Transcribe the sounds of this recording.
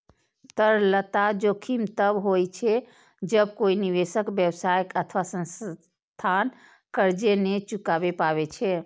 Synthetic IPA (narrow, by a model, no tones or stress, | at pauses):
t̪əɾlət̪ad͡ʒokʰimt̪əbɦojt͡ʃʰɛ | d͡ʒəbkoiniʋesəkbjəwsajəkət̪ʰʋasə̃ns | t̪ʰan | kəɾd͡ʒenet͡ʃukabepaβet͡ʃʰɛ